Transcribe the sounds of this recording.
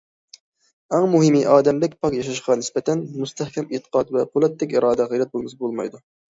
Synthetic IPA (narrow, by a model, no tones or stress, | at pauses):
æŋmuɦɪmiʔɑːd̪ɛmlɪkʲpʰɑqjɑʃ̬ɑʃqɑnɪspɛt̪ʰɛnmust̪ʰɛhkʲɛmet̪ə̥qɑt̪vɛqʰolˠɛt̪ːɛkʲiɾɑːd̪ɛʁɨlɛt̪̚bolˠmɨsbolˠmɑ̰jd̪u